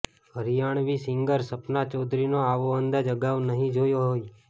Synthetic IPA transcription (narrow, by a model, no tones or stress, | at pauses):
ɦəɾijaɳ̃ʋisɪŋɡəɾsəpnat͡ʃɔd̪ʱɾinoaʋoənd̪ad͡ʒəɡaʋnəɦĩd͡ʒojoɦoj